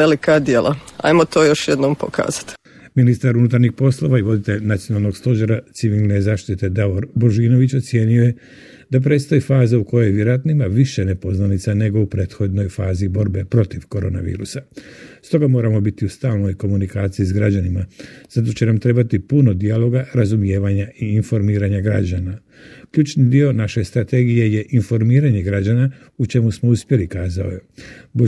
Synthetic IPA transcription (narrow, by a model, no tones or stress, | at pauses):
elikad̪jeːlˠʔaa̰jmot̪oːjoʃjed̪noːmpokʰa̰ːz̥ḁt̪ | minist̪aɾunut̪aɾɲixpo̞slˠo̞ʋaiʋo̞d̪it̪eʎnat̪sijo̞nalˠno̞ɡst̪o̞ʒeɾat̪siʋilˠnezaːʃt̪it̪e̞d̪aʋoɾboʒiːno̞ʋit͡ɕot̪sje̞ːnio̞je̞ | d̪ap̬ɾe̞ːt̪st̪ojifaːzauko̞jo̞jʋjeɾoat̪naimaʋiʃenepo̞znanit̪sane̞ɡo̞upɾe̞ːt̪xo̞d̪no̞jfaːzibo̞ɾbe̞pɾo̞t̪iʋkoɾo̞ːnaʋḭːɾusast̪o̞ɡamo̞ːɾamo̞bit̪iust̪aːlˠno̞jko̞munikaːt̪sijiz̬ɡɾad͡ʑanimaz̥at̪o̞t͡ɕe̞namt̪ɾe̞bat̪ipuno̞d̪ialˠo̞ɡaɾazumje̞ːʋaɲaʔiːnfo̞ɾmiːɾaɲaɡɾa̰d͡ʑana | kʎuːt͡ʃnid̪io̞naʃe̞st̪ɾat̪e̞ɡije̞je̞ʔinfo̞ɾmiːɾaɲe̞ɡɾad͡ʑana | ut͡ʃe̞musmo̞uspje̞likaːzao̞̰jebo